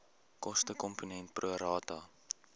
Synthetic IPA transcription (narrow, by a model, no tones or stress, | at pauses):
kɔstəkɔmpunɛnt̚pruɾɑːtɐ